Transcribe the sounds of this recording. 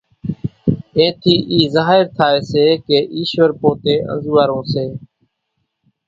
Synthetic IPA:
ẽːt̪ʰiːʔiːzaːɦɪɾt̪ʰaːeːseːkeːʔiːʃʋəɾpoːt̪eːʔə̰̃nzuːaːɾõːseː

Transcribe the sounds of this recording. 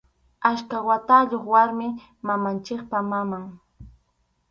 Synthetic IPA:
aʃkawat̪aʎoχwaɾmɪ | mamant͡ʃɪkpamamaŋ

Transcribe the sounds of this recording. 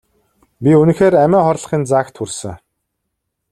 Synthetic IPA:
pʲiunɘ̆xeːɾæmʲæːχɔrɮ̆χiːnt͡saːkt̪ʰxursɘ̰̆ŋ

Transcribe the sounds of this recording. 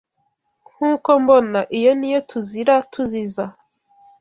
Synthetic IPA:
ŋ̥uːkombonaʔijo̞nijotuziɾatʰuziza

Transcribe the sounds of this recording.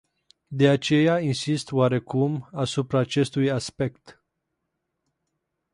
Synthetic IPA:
d̪e̞at͡ʃe̞jainsist̪waɾe̞kumasupɾaːt͡ʃe̞st̪ujaspe̞kt̪

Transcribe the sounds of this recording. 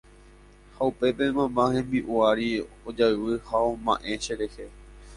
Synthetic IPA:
haupe̞pemãmbãhẽmbiʔuaɾi | od͡ʒaɨʋɨhaomã̰ʔeʃeɾehe

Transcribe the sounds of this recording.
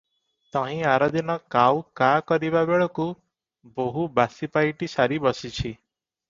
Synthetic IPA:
t̪ɔɦĩaɾɔd̪ʱinɔkawkakɔɾiβabeɭɔku | boɦubasipajʈisaɾibɔsit͡ʃʰi

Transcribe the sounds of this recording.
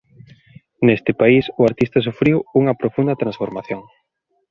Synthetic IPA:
nest̪ɪpaisʊaɾt̪ist̪ɐsufɾiwuŋɐpɾofund̪ɐt̪ɾãnsfoɾmaθjoŋ

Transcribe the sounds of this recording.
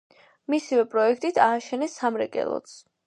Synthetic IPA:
misivɛpʼɾɔɛkʰt̪ʼit̪ʰaːʃɛnɛsamɾɛkʼɛ̰lˠɔ̰t̪s

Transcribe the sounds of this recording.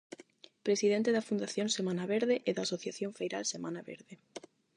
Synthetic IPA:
pɾesiðɛnt̪eðɐfund̪aθjonsemãnaβeɾðeʔɪðaːsoθjaθjoɱfejɾalsemanaβḛɾðe

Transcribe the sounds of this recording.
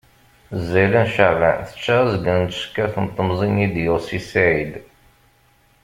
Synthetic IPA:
zːælənʃaʁænθə̥t͡ʃːæzɡənt̪ʃkːæθənt̪ˤːəmzˤinid̪josisæʕid̪

